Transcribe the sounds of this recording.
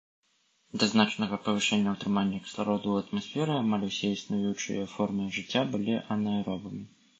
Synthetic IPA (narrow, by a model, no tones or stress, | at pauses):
d̪ɐznat͡ʂnɐɣɐpɐvɨʂɛnʲːɐwt̪ɾɨmanʲːɐkslˠaɾɔd̪uɐt̪masʲfʲɛɾɨamalʲusʲɛisnuvʲiwt͡ʂɨ̰jɐfɔrmɨʐɨt͡sʲːabɨlʲiʔɐnɐɛɾɔbɐmʲi